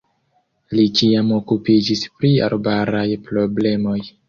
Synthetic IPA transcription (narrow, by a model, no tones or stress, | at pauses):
lit͡ʃiamo̞kupid͡ʒispɾia̰ɾbaɾajpɾo̞ble̞mo̞j